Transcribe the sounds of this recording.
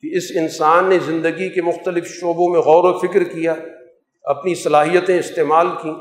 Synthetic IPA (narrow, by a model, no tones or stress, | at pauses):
keɪsɪnsaːnːezɪ̃nd̪əɡikemʊxt̪əlɪfʃoːbõmẽɣɔːɾofɪkɾkijaː | ɐpnisɐlaːɦijət̪ẽɪst̪eːmaːlkĩː